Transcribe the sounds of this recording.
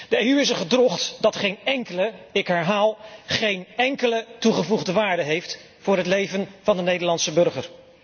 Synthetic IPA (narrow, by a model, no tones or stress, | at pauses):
d̥əejyɪsəχədrɔχtdɑtχejnɛŋkələɪkɦɛɹɦaːlˠχejnɛŋkələtuχəvuχdəʋaːɹdəɦejft | fʊːɹɦətlejvənv̥ɑndənejdəɹlɑnsəbɵɹχəɹ